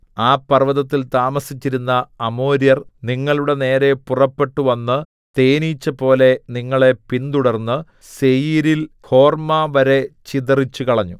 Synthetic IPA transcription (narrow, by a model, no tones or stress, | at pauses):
aːpːɐrʋɐðɐt̪ːilt̪aːmɐsit͡ɕːiɾunːɐːmo̞ːɾijɐrniŋːɐɭuɽe̞ne̞ːɾe̞purɐpːe̞ʈːuʋɐnːɨ | t̪e̞ːniːt͡ɕːɐpo̞ːle̞niŋːɐɭe̞pind̪uɽɐrnːɨ | se̞jiːɾilhʰo̞ːrmaʋɐɾe̞t͡ɕiðɐrit͡ɕːukɐɭɐɲːu